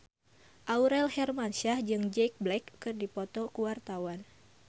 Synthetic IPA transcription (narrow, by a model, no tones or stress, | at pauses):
ʔauɾɛlhɛrmanʃahd͡ʒɨŋd͡ʒɛk̚blɛkːɨrdipɔt̪ɔkuwart̪awan